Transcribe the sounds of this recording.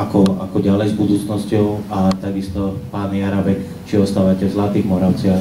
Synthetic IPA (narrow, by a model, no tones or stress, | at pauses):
akɔa̰kɔɟalɛjzbud̪uːt͡snɔscɔʊat̪aɡist̪ɔpaːniaɾabɛk | t͡ʃiɔst̪aːʋacɛzlat̪iːɣmɔɾaʊt͡sɪa